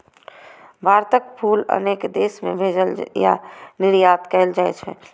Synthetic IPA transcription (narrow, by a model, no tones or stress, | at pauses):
baːɾt̪ək̚pʰuːlə̰neːkd̪eːsmḛ̃bʱeːd͡ʒəlja̰nɪɾjaːt̪kɛːld͡ʒaːḛt͡ʃʰɛ̰